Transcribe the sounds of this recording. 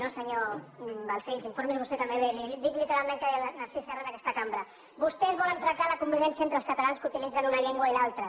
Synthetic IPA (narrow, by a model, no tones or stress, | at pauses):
nosəɲobalseʎziɱfoɾmezβust̪ɛt̪ambeβelid̪ik̪likəðamɛnt̪aðənaɾsisɛranakɛst̪əkambɾə | bust̪ɛzβɔlənt̪ɾak̚t̪aləkumbiβɛnsijəent̪ɾəlˠskət̪alanskut̪ilid͡zənunaʎeŋɡwailalˠt̪ɾə